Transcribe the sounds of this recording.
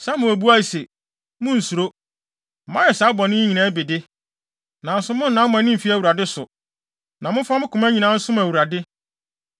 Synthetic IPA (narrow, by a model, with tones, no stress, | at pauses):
sa˦mʊ̃˨æ˨bu˦a˦i˨se˨ | mʊ̃˦n̩˨su˨ɾo˦ | m̩˨mã˦jɛ˨sa˨˦bɔ˨nɪ̃˦ɲĩ˨nã˦be˨dɪ˦ | nã˨n̩˨sʊ̃˦mʊ̃˦n̩˨nã˦ʊ˦ã˨˦nɪ̃˦m̩˨fi˦æ˦˨wu˨ɾa˨dɪ˦sʊ˨ | nã˨mʊ̃˦fa˦mʊ̃˦kʰʊ̃˨mæ̃˦ɲĩ˨nã˦n̩˦sʊ̃˦mæ˨wu˨ɾa˨dɪ˦